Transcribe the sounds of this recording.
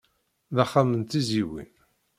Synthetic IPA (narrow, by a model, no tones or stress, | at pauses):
ðaχːamənt̪iziwḭn